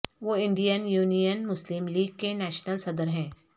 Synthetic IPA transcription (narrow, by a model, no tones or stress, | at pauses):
ʋoːɪ̃ɳɖijənjuːnijənmʊslɪmliːɡ̚kenɛːʃnəlsɐd̪əɾɦɛ̃ː